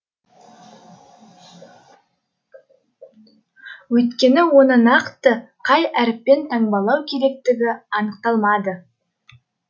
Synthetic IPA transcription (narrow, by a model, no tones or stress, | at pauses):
wɵjt̪kʲe̞nɪwo̞nənɑqt̪əqʰɑjæɾɪp̚ːe̞nt̪ʰɑɴbɑlˠɑwkʲʰe̞ɾe̞k̚t̪ɪɡʲɪɑnəq̚t̪ɑlˠmɑd̪ə